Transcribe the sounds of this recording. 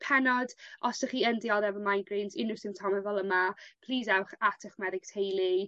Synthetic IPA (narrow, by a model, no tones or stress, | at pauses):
pʰɛnɔdʔɔsəχiːəndiɔðɛvɔmajnɡriːnzɪnʊsɪmtʰɔməvɔlˠəmapʰl̥ˠiːzawχatʰəχmɛðɪɡ̥tʰejlˠi